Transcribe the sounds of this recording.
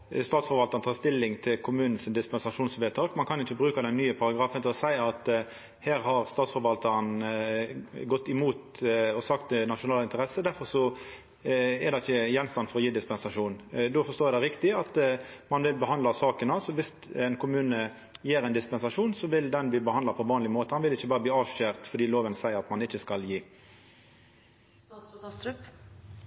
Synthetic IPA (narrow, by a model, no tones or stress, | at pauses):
st̪ɑːt̪sfɔɾʋɑlt̪ɑɾnt̪ʰɑːɾst̪ɪlːɪŋt̪ʰɪlkʰʊmʉːnn̩sɪnd̪ɪspɛnsɑʂuːnsʋeːt̪ʰɑːkmɑnkʰɑnjʊɪçːəbɾʉːkɑd̪ɛnːyːəpʰɑɾɑɡɾɑːfənt̪ɪlɔsæɪɑt̪ | heːɾhɑɾst̪ɑːt̪sfɔɾʋɑlt̪əɾn | ɡɔt̪ːɪmuːt̪ɔsɑkt̪nɑʂʊnɑːlɪnt̪əɾɛsəd̪æɾfɔɾʂɔ | ɛd̪ɑɪçːəjɛnːst̪ɑnfɔɾɔjiːd̪ɪspɛnsɑʂuːnd̪oːfɔʂt̪oːd̪ɛɾɪkt̪ɪɑt̪mɑnʋɪlbəɦɑnd̪lɑsɑːkənɑsɔʋɪs | ɛɪnkʰʊmʉːnə | jiːɾɛɪnd̪ɪspɛnsɑʂuːnsɔʋɪld̪ɛnbliːbəhɑnd̪ɑpʰɔʋɑːnlɪmoːt̪əhɑnʋɪlɪçːəbɑːɾəbliːɑːʋʃøːʁt̪fɔɾd̪iːloːʋənsæɪəɾɑt̪mɑnɪçːəskɑljiː